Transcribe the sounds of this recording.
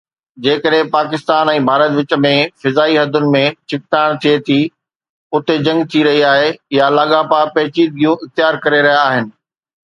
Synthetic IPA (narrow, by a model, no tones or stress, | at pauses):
d͡ʑeːkəɗɦẽpaːkɪst̪aːnɛ̃ːbʱaːɾət̪ʋɪt͡ɕə̆mẽfɪzaːiɦɐd̪ʱʊnɪ̆mẽt͡ɕʰɪk̚t̪aːɽ̃t̪ʰiet̪ʰi | ʊt̪ed͡ʑɐ̃ŋɡt̪ʰiɾɐɦiaːɦejalaːɠapapɛːt͡ɕid̪̚ɡijũʔɪxt̪ɪjaːɾkɐɾeɾɐɦjaːɦɪnɪ̆